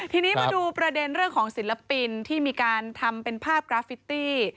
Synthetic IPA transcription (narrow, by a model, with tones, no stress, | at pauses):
t̪ʰiː˧niː˦˥ma˧duː˧pɾa˧de˧nɾɯ˥˩əŋkʰɔː˩˦ŋsi˨˩˦la˧pi˧nt̪ʰiː˥˩miː˧kaː˧nt̪ʰa˧mpe˧npʰaː˥˩p̚kɾaː˧˦fi˨˦˥t̪iː˥˩